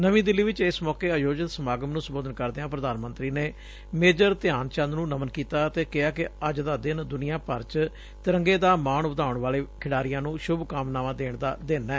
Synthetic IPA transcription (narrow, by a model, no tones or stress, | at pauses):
nəʋĩːd̪ɪlːiːʋɪt͡ʃɪsmɔːkeːəjoːd͡ʒɪt̪səmaːɡəmnũːsəmboːd̪ənkəɾd̪eãːpɾəd̪aːnmə̃nt̪ɾiːneː | meːd͡ʒəɾt̪ɪjaːnt͡ʃə̃nd̪nũːnəmənkiːt̪aːt̪eːkɪaːkɪəd͡ʒd̪aːd̪ɪnd̪ʊnijãːpəɾt͡ʃ | t̪ɪɾəŋɡeːd̪aːmaːɳbəd̪aːʊɳʋaːleːkʰɪɽaːɾɪjãːnũːʃʊbkaːmnaːʋãːd̪eːɳd̪aːd̪ɪnɛː